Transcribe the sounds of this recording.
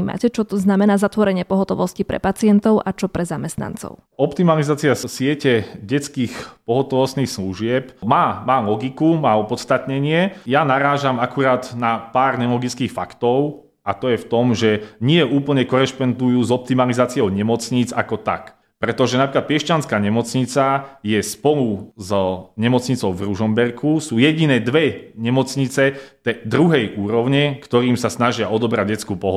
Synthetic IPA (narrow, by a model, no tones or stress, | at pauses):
iːma̰cɛt͡ʃɔt̪ɔznamɛnaːzat̪ʋɔɾɛɲɪɛpɔɦɔt̪ɔʋɔscipɾɛ̰pat͡sɪɛnt̪ɔʊʔat͡ʃɔpɾɛzamɛst̪na̰nt͡sɔ̰ʊ | ɔpt̪imalizaːt͡siasɪɛcɛɟɛt͡skiːxpɔɦɔt̪ɔʋɔst̪niːxsluʒɪɛpmaːmaːlɔɡikumaːɔpɔt̪st̪at̪ɲɛɲɪɛjanaɾaːʒamakuɾaːd̪napaːɾɲɛlɔɡit͡skiːxfakt̪ɔʊ | ʔat̪ɔjɛft̪ɔmʒɛɲɪɛʔuːpl̩ɲɛkɔɾɛʃpɔnd̪ujuːzɔp̚t̪imalizaːt͡sɪɔʊɲɛmɔt͡sɲiːd͡zakɔt̪a̰k | pɾɛt̪ɔʒɛnapɾiklat̪̚pɪɛʃt͡ʃanskaːɲɛmɔt͡sɲit͡sajɛspɔluzɲɛmɔt͡sɲit͡sɔʊvɾuʒɔmbɛrkʰusuːjɛɟinɛːd̪ʋɛɲɛmɔt͡sɲit͡sɛt̪ɛd̪ɾuɦɛjʔuːɾɔʊɲɛkt̪ɔɾiːmsasnaʒɪaɔd̪ɔbɾa̰ɟ̚ɟɛt͡skuːpɔɦɔ